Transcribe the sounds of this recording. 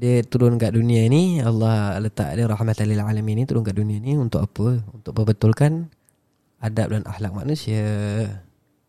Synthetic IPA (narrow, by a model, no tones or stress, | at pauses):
diət̪uɾʊnkaʔdunĩanialːɑhlət̪a̰ʔdiɾɑħmat̪alilalaminit̪uɾʊnkaʔdunĩaniunt̪ʊʔapəunt̪ʊʔ̚pəbət̪ʊlkan | adap̚danʔa̰hlak̚ma̰ʔnũsia